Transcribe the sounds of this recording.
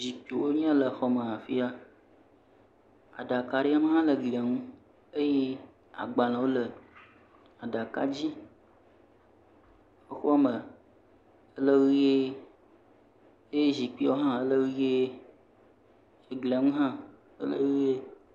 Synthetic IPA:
zi˨k͡pi˨wo˦ɲ˦ã˦lə˨xɔ˦mə̃˨ɦã˨fi˦a˦ | a̰˨ɖa˨ka˨ɖe˦a˦mə˦ɦã˦lə˨ɡli˨a˨ŋũ˦ | ə˦je˦ | a̰˨ɡ͡ba˨lã˨wo˦lə˨ | a˨ɖa˨ka̰˦d͡ʑi˦ | o˦xɔ˦mə˨ | ə˦lə˦ɣi˦je˦ | e˦je˦zi˨k͡pi˦˨wo˦ɦã˦ə˦lə˦ɣi˦je˦ | e˨ɡli˨a˨ŋũ˦ɦã˦ | ə̰˦lə̰˦ɣi˦je˦

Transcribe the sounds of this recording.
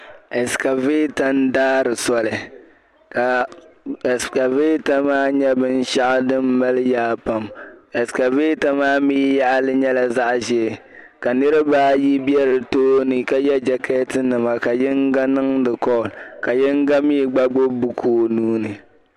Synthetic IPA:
e˨ska˨ve˦ta˦n˦daː˦ɾɨ˨sɔ˦lɨ˨ | ka˨ | ska˨ve˦ta˦maː˦ɲɛ˦bɨ˦n̩˦ʃa˦ʔdɨ˦mː˦a˦lɨ˦jaː˦pa˨me˨ska˨veː˦ta˦maː˦miː˦ja˦ʔlɨ˦ɲɛ˦la˨za˦ʔʒɛ˦˨ | ka˨nɨ˦ɾɨ˦baː˦ji˦bi˦ɛ˦ɾɨ˨toː˦nɨ˨ka˨jɛ˦d͡ʒɛ˨kʰɛ˦tɨ˦nɨ˨ma˨ka˨jɪ˦ŋɡa˦nɨ˦ŋdɨ˨kɔ˦˨lka˨jɪ˦ŋ˦ɡa˦mi˦ɡ͡ba˦ɡ͡bo˦bu˦kʰoː˦˨nuː˦nɨ˨

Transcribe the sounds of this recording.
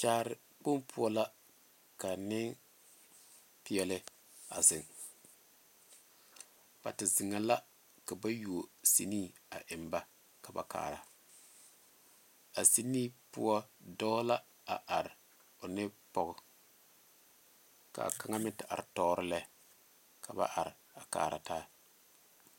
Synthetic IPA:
t͡ʃaː˦ɾɪ˨ | k͡po˦mpʰʊ˦ɔ˦la˦ | ka˨nɪ˦ŋ | pɪ˦ɛ˨lɪ˦ | a̰˨zɪ˨ŋ | b̥a̰˨tɪ˨zɪ˨ŋa˨la˦ | ka˨ba˦ju˨o˨si˨niː˦˨a̰˨ʔɪ˨mba˦ | ka˨ba̰˨ka̰ː˨ɾa˨ | a˨si˦niː˦pʊ̰˦ɔ˦dɔː˦la˦ | a˨ʔa˨ɾɪ˨ | ʊ˨nɪ˦pɔ˨ɣʊ˨ | ka̰˨ka˦ŋa˦mɪ˦tɪ˨ʔa̰˨ɾɪ˨tɔː˦ɾɪ˦lɛ˦ | kʰa˨ba̰˦ʔa˨ɾɪ˨a˨ka̰ː˨ɾa̰˨taː˦

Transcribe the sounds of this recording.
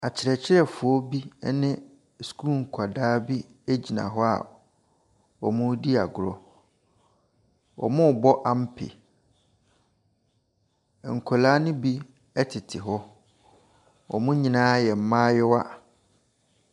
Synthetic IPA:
a˨t͡ɕʰɪ˨ɾɛ˨t͡ɕʰɪ˦ɾɛ˨fʊ˨ɔ˦bi˦nɪ̃˦ | sku˦˨ŋ̩˨kʰa˨daː˦bi˦ | e˦d͡ʑi˨nã̰˨ɦɔ˦a̰˨ | ɔ̰˨mʊ̃˦di˦a˨ɡʊ˨ɾɔ˨ | wɔ̰˨mʊ̃˦˨bɔ˦ʔa˦˨m̩˦pʰɪ̰˨ | ŋ̩˨kʰɔ˨laː˦nʊ̃˦bi˦ | ɛ˦tʰɪ˨tʰɪ˨ɦɔ˦ | wɔ̰˨mũ˦ɲĩ˨nãː˦jɛ˨m̩˨˦mãː˦jɛ˦wa˦˨

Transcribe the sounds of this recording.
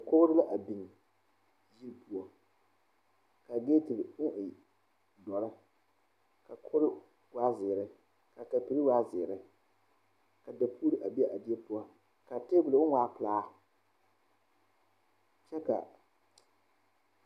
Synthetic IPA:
kʊ˦ɣɾɨ˦la˦ʔa˨bi˨ŋ˨ | ji˦ɾpu˦ɔ˨ | ka˨ɡe˦tɪ˨bʊ˦ʔɪ˨ | dɔ˨ɾɪ˦ | ka˨kʊ˦ɾɪ˦ | waː˦zɪ˨ɾɪ˦ | ka˨ka˨pi˨ɾi˦waː˦zɪː˨ɾɪ˦ | ka˨da˨pʰu˦ɾi˦ʔa˨bi˦ɛ˦ʔa˨di˦ɛ˦pʊ˦ɔ˦ | ka˨te˦bʊ˨lɨ˨˦ʊ˦ŋʷaː˦plaː˦ | t͡ʃɛ˦ka̰˨

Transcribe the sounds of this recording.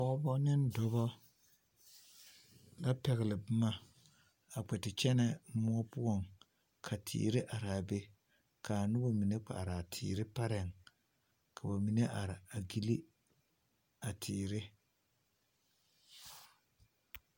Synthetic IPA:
pɔ˦bɔ˦nɪ˦ndɔ˦bɔ˦ | la˦pɛ˨ɣɪ˨lɪ˨bʊ˦ma˦ | a˨k͡pɛ˨tɪ˨t͡ʃɛ˦nɛ˦mʊ˦ɔ˦pʊ˦ɔ˦˨ŋ | kʰa˨tʰḭː˨ɾɪ˦ʔa˨ɾaː˨be˦ | kʰa˨nʊ˦bo˦mi˨ne˦k͡pa̰˨ʔa˨ɾa˨tʰɪ̰ː˨ɾɪ˦pa˦ɾɛ˨ŋ | kʰa˨ba˨mi˨ne˦ʔa˨ɾɪ˨a˨ɡi˦li˦ | a˨tʰiː˨ɾɪ˦

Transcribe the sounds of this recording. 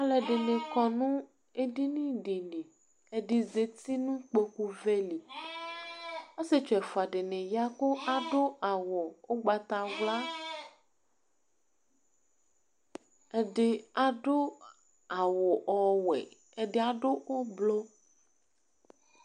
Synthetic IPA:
a˨lɛ˨ɖe˨nẽ˨kɔ˨nũ˦ | e˦ɖi˦nĩ˦ɖe˨nẽ˨ | e˨ɖi˨ze˨t̪i˦nũ˦k͡pe˦ku˦ve˦li˨ | e˦se˦t͡ʃɔ˨ɛ˨fo˨a˨ɖe˨nẽ˨ja˦ko˦ʔa˨ɖo˦a˨wɔ˨wo˦ɡ͡ba˨t̪a˨vla˦ | e˦ɖe˦a˨ɖo˦ | a˨wɔ˨ʔɔ˦wɛ̰˨ | e˨ɖe˦a˨ɖo˦wo˦blo˦

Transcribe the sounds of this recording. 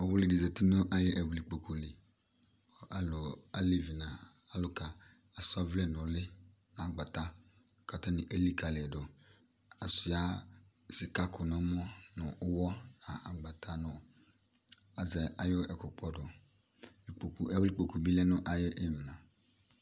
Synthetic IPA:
ɔ˨wʊ˦lɪ˨di˨zɛ˨tɪ˦nʊ˦ʔa˦jɪ˦ʔɛ˨wʊ˨li˨k͡po˨kʰo˨li˨ | a˨lʊ˨a˨li˦vi˨na˨a˦lʊ˦ka˨ | a˨sʊ˦a˦vlɛ˦nʊ˨lɪ˦ | na˨a˨ɡ͡ba˨ta˦˨ | ka˨ta˦nɪ˨ʔe˦li˦ka˨lɪ˨dʊ˨ | a˨sʊ˨ja˦ | sɪ˨ka˦kʰʊ˨nɔ˨˦m˦ɔ˦nʊ˨ʔʊ˦wɔ˦na˨a˨ɡ͡ba˨tʰa˦nʊ˨ | a˨zɛ˨a˨jʊ˦ɛ˨kʊ˨k͡pɔ˦dʊ˨ | k͡po˨kɛ˨wʊ˦li˦k͡po˨ku˨bi˦lɛ˦nʊ˦ʔa˨jɪ˦ʔɪ˦m˨nã˨

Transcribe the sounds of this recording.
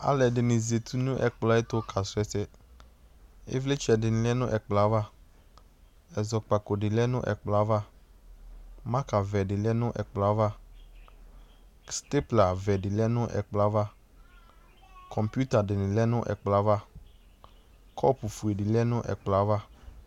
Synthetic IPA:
a̰˨lɛ˨dɪ˨nɪ̃˨ze˨t̪ʰu˦nʊ̃˦ʔɛ̰˨k͡pla˨˦e˦t̪ʊ˦kʰa˨sʊ˨˦ɛ˨sɛ˦ | ḛ˦vle˦t͡ʃɛ˨dɪ˨nɪ̃˨lɛ˦nʊ̃˦ʔɛ˨k͡pla˨˦va˦ | ɛ˨zɔ˨k͡pa˨ko˨ɖɪ˨lɛ˦nʊ̰̃˦ʔɛ̰˨k͡pla˨˦va˦ | mã˦ka˨vɛ˨dɪ˨lɛ˦nʊ̃˦ʔɛ̰˨k͡pla˨˦va˦ | st̪e˦pla˨vɛ˨dɪ˨lɛ˦nʊ̃˦ʔɛ̰˨k͡pla˦va˦ | kʰɔ̃˨mpju˦t̪a˨dɪ˨nɪ̃˨lɛ˦nʊ̃˦ʔɛ̰˨k͡pla˨˦va˦ | kʰɔ˦pu˨fu˨e˨dɪ˨lɛ˦nʊ̃˦ʔɛ̰˨k͡pla˦va˦

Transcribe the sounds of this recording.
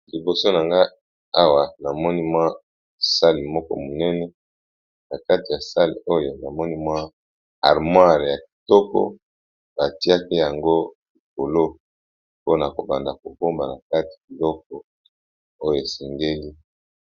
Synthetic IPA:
li˨bo˨so˦na˨ŋɡa˦ | a˦wa˨na˨mɔ˦ni˦mwa˦˨ | sa˦li˨mɔ˦kɔ̰˦mo˨nɛ˦nɛ˨˦ | na˨ka˦ti˨ja˨sa˦lḭ˨o˦jo˨na˨mɔ˦ni˦mwa˦ | a̰˨ʁmwa˦˨ʁja˨ki̥˨tɔ˦kɔ̰˦ | ba˨ti˦a˦ki˦ja˨ŋɡo˦li˨k̚o˨lo˦ | po˦na˨ko˨ba˨nda˨ko˨ko˦mba˨na˨ka˦ti̥˨ki˨lɔ˦k̚ɔ˨ | o˦jo˨e˨sɛ˨ŋɡe˦li˦

